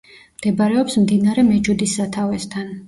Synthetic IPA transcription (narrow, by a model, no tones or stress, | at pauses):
md̪̥ɛbaɾɛɔpsmd̪inaɾɛmɛd͡ʒud̪isːat̪ʰavɛst̪ʰan